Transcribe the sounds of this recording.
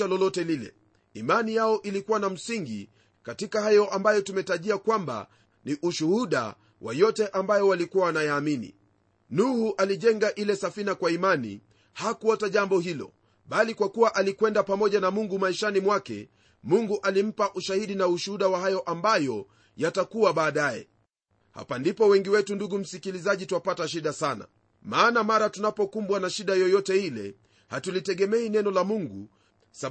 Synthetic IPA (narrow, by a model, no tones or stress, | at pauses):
alɔlɔtɛlilɛ̰ | imanijaɔʔilikuwanam̩siŋɡḭ | katikahajɔʔambajɔtumɛtaʄiakwamba̰ | niʔuʃuhuɗa̰ | wʔa̰jɔtɛʔambajɔwalikuwaːnajaːminḭ | nuhuʔaliʄɛŋɡaʔilɛsafinakwaimanḭ | hakuɔtaʄambɔhilɔ̰ | ɓalikwakuwaʔalikwɛndapamɔʄanamuŋɡumaiʃanimwakɛ̰ | muŋɡuʔalim̩paʔuʃahiɗinauʃuhuɗawahajɔʔambajɔ | jatakuwaɓaːɗajɛ̰ | ha̰pandipɔwɛŋɡiwɛtunduɡum̩sikilizaʄitwapataʃ̬iɗasana̰ | maːnamaɾatunapɔkumbwanaʃiɗajɔjɔtɛilɛ̰ | hatulitɛɠɛmɛinɛnɔlamuŋɡu | sa